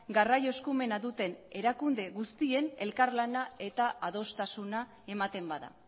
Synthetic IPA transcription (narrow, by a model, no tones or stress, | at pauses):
ɡarajo̞skume̞naðut̪e̞ne̞ɾakund̪e̞ɣust̪ie̞ne̞lkarlanae̞t̪aaðo̞st̪asuna | e̞mat̪e̞mbaða̰